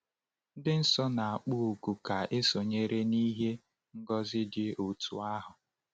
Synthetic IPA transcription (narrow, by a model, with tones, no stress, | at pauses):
n̩˦dɪ˦n̩˦sɔ˦na˨a˨k͡pu˦u˨ku˨ka˨e˦so˨ɲe˦ɾe˦ni˦ɦe˦ | ŋ̩˦ɡɔ˦zɪ˦dɪ˦u˨tʰu˨a˦ɦʊ˨